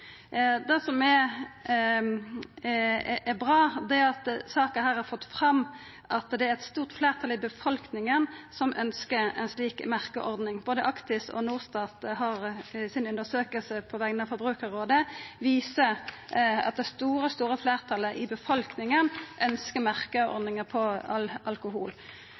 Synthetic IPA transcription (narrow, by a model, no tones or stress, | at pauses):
d̪ɛsɔmɛ | ʔɛbʁɑːd̪ɛæɑt̪sɑːkəhæːʁhɑɾfɔt̪ːfʁɑm | ʔɑt̪d̪ɛæɾɛt̪st̪uːʁt̪fleːʁt̪ʰɑlɪbəfɔlknɪŋənsɔmʔœnskəɾɛ̰nsliːkmæʁkəʔɔʁd̪nɪŋboːd̪əʔɑkt̪ɪsɔ̰nuːʁst̪ɑːt̪ɦɑʁsɪnʉnd̪əsøːkəlsəpʰɔʋɛɡənɑfɔbʁʉːkəʁoːd̪əʋiːsə | ɑ̰t̪̚d̪ɛst̪uːɾəst̪uːɾəfleːʁt̪ʰɑlːəʔɪbəfɔlknɪŋənʔœnskəmæʁkəɔ̰d̪nɪŋəpʰɔɑlɑlkʊɦuːl